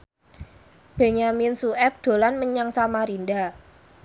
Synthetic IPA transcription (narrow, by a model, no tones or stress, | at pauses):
b̥e̤ɲaminsuɛp̚d̪̥o̤lanməɲaŋsamaɾinda